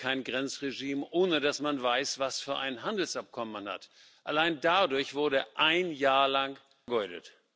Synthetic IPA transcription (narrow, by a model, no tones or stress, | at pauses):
kʰaɪnɡʁɛnt͡sʁeʒiːmʔoːnədasmanvaɪsv̥asfyːɐʔa̰ɪnɦandl̩sʔap̚kʰɔmənmanha̰t | ʔalaɪndadʊɐçv̥ʊɐɾəʔaɪnjaːɐlaŋ | ɡɔʏdə̰t